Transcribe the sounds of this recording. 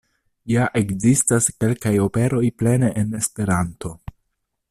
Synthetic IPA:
jaʔe̞kzistaske̞lkajo̞pe̞ɾo̞jple̞neʔene̞spe̞ɾanto̞

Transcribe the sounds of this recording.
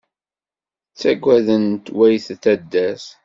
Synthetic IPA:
t͡sːæɡʷæðənt̪wæjθθæd̪ːæs

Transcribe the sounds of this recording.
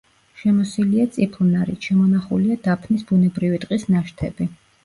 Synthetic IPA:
ʃɛmɔsiliat̪sʼipʰlˠnaɾit̪ʃɛmɔnaχuliad̪̥apʰnisbunɛbɾivit̪ʼqʼisnaʃt̪ʰɛ̰b̥i

